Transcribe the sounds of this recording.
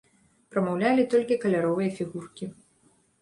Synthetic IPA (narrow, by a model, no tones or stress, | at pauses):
pɾɐmɐwlʲalʲit̪ɔlʲkʲikɐlʲaɾɔvɨjɐfʲiɣurkʲi